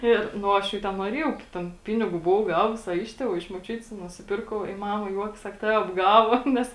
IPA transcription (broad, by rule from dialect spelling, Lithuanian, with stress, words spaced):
ˈɪr nʊ ˈɐʃ jɛʊ ˈtʲɛn nuɔˈrʲiɛjɛʊ ˈtʲɛn ˈpʲɪnʲɪɡuː bʊˈʋɐʊ ˈɡɑːʋʊs ɐ ˈɪʃ tʲeːˌʋuː ɐ ɪʃ moːˈt͡ʃʲʊtʲɪs nʊsʲɪˈpʲɪrkɐʊ ɪ ˈmɑːmɐ ˈjuɔkʲɛs ˈsɐk ˈtɑːʋʲɛ ɐbˈɡɑːʋoː ˈnʲɛs